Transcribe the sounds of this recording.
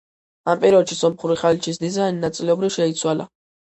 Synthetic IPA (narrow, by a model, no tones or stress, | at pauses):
ampʼiɾɔd̪ʃisɔmχuɾiχalit͡ʃʰis̬d̪izaininat̪sʼilɛɔbɾivʃɛit̪sʰwala̰